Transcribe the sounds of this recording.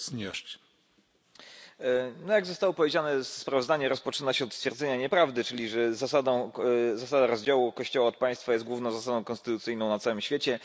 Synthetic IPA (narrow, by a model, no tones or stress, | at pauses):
sɲʲɛʂt͡ɕ | nɔjaɡzɔst̪awɔpɔvʲjed͡ʑanɛspɾavzd̪aɲɛɾɔspɔt͡ʂɘnaɕɛɔt̪st̪fʲɛɾd̪zɛɲaɲɛpɾavd̪ɘt͡ʂɘlʲiʐɛzasad̪ɔ̃w̃zasad̪aɾɔzd͡ʑawukɔɕt͡ɕɔwaɔt̪̚paj̃st̪fajɛst̪̚ɡwuvnɔ̃zasad̪ɔ̃w̃kɔ̃st̪ɘt̪ut̪sɘjnɔ̃w̃nat̪sawɘmɕfʲet͡ɕɛ